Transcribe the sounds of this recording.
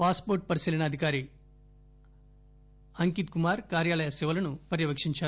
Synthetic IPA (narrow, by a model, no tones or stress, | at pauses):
paːspoːɾʈ̚pɐɾisiːlɐnɐːd̪ʱikaːɾi | ɐŋkit̪̚kumaːɾkaːɾjaːlɐjɐsɛʋɐlɐnupɐɾjɐʋɐkʂiɲt͡ʃaː